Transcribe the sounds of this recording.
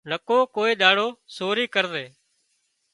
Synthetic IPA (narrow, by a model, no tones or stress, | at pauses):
nəkoːkoːeːɗ̪aːɽoːsoːɾiːkəɾðeː